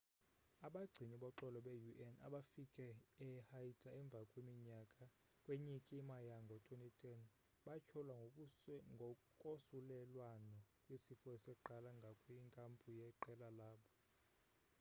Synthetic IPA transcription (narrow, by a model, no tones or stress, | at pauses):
aɓaɡ͡ǀʱiniɓɔǃɔlɔɓɛjuʔɛna̰ɓafikʼɛɛhaitʼaɛɱb̪vʱakʼwimiɲakʼa | kʼweɲikʼimajaŋɡʱɔtʼonitʼɛn | ɓat͡ʃʰɔlwa | ŋɡʱɔ | kʼosulɛlwanɔkʼwisifɔsɛuǃalaŋɡʱakʼwiŋkʼampʼujɛǃɛlalaːɓɔ